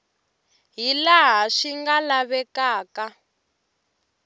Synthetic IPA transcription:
ɦilaɦaʂiŋɡalaβɛkaːka

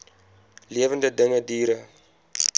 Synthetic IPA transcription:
liəvəndədəŋədiːɾə

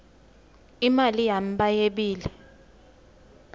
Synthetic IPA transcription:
imalijam̩ɓajeɓiːlɛ

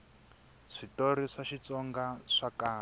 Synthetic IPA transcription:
ʂitoɾiʂaʃit͡sɔŋɡaʂakaː

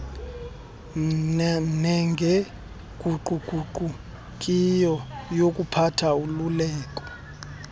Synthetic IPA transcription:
nɛŋɡʱɛ | ɡ̥ʱuǃuǃʱuǃu | kʼijɔjokʼupʰatʰaululɛːk̬ʼɔ̥

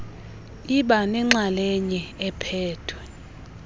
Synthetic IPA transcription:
iɓanɛŋ͡ǁalɛɲɛɛpʰɛːtʰwɛ

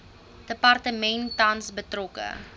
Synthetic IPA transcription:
d̥əpɐrtəmɛntːɐnsbətrɔkə̰

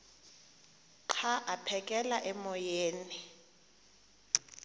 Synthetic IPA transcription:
ǃʰaʔapʰɛkʼɛlaʔɛmɔjeːni

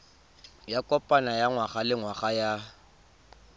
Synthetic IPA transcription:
jakʼɔpʼanajaŋwaχalɪŋwaχaja

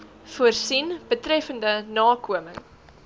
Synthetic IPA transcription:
fuərsinb̥ətrɛfəndənɑːkuəməŋ

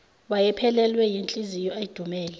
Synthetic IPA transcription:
ɓajɛpʰɛlɛlwɛjint͡ɬʼizijɔeid̥ʱumɛːlɛ

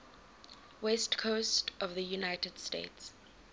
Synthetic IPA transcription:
wɛstkʰostɔvðəjunaɪtəd̥stḛɪts

